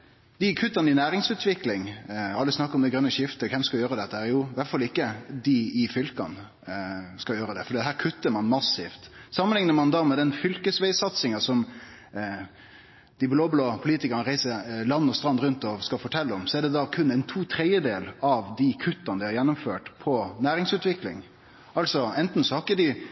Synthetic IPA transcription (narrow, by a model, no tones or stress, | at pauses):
d̪̥ɪkʰʉt̪ːɑnəɪnæːɾɪŋsʉːt̪ʰʋɪklɪŋɑlːəsnɑkːɾɔmd̪ɛɡɾœnːəʃɪft̪əkʰɛmskɑljøːɾəd̪ɛt̪ːəæːɾjuːʋæʈfɑlɪkːəd̪ɪɪfʏlkɑ̰n | skɑjøːɾəd̪ɛfɔɖiːd̪ɛɦhæːɾkʰʉt̪ːəɾmɑnmɑsɪft̪sɑmːənlɪŋnəmɑnd̪ɑmɛd̪ɛnfʏlkəsʋæɪsɑt̪sɪŋɑsɔm | d̪̥ɪbloːbloːpʰʊliːt̪ɪkɑɾnəɾæɪsəɾlɑnːəɔst̪ɾɑnd̪ɾʉnt̪ɔskɑfɔʈʰɛlːəɔmsɔɛɖɛd̪ɑkʰʉnːɛɪnt̪ʰuːt̪ʰɾɛd̪jəd̪eːlɑʋd̪ɪkʰʉt̪ːɑnəd̪ɪhɑɾjɛnːʊmføːʈpʰɔnæːɾɪŋsʉːt̪ʋɪklɪ̰ŋ | ɑlsɔɛnt̪n̩sɔhɑkəd̪ɪ